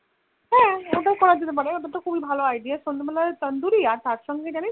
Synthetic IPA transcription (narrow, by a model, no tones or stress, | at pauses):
ɦɛ̃oʈakɔɽad͡ʒet̪epəɽeoʈat̪ɔkʰubibʱaloajɖiasond̪ebɛlat̪ənd̪uɾiaɾt̪aɾʃɔŋɡʱed͡ʑani